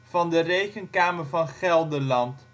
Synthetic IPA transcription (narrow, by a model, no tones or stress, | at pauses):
v̥ɑndərejkənkaːməɹvɑnχɛlˠdəlɑnt